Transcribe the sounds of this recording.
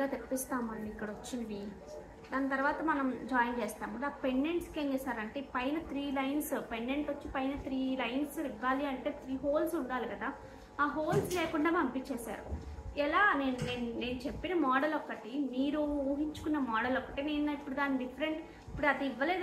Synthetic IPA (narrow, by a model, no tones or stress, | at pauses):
aːt̪epːist̪aːmɐnːiːkːɐɽɐot͡ʃːind̪i | d̪aːnt̪ɐɾuʋaːt̪ɐmɐnɐmd͡ʒaːjiŋt͡ʃeːst̪aːmuɖaːpe̞ɳɖe̞ɳʈskeːŋɡɐsaːɾɐɳʈeːpɐjnɐt̪ɾiːlɐjnspe̞ɳɖe̞ɳʈot͡ʃːipɐjnɐt̪ɾiːlɐjnsiʋːaːliɐɳʈe̞ːt̪ʰɾiːɦoːlsuɳɖaːlikɐd̪aː | aːɦoːlsleːkuɳɖaːmɐmpit͡ʃɛːsa̰ːɾṵɛlaːne̞ːnuneːnuneːnut͡ʃepːinɐmɔːɽɐlɔkːɐʈiniːɾuuːɦiɲt͡ʃu̥kunːɐmɔːɽɐlɔkːɐʈine̞ːnipːuɽud̪aːnːiɖifʰɐɾe̞ɳʈ | ipːuɽuɐd̪iiʋːɐle̞ːd̪